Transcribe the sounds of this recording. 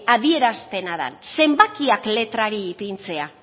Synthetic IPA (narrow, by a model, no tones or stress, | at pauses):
aðie̞ɾaspe̞naða̰nse̞mbakiakle̞t̪ɾaɾiːpint͡se̞a